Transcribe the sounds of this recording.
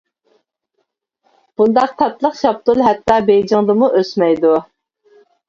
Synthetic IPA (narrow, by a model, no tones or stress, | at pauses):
b̥und̪ɑq̚t̪ʰɑt̪lˠəqʃɑp̚t̪ulˠɦɛt̪ːɑːbejd͡ʒɪŋd̪ɨmuʔøsmɛjd̪u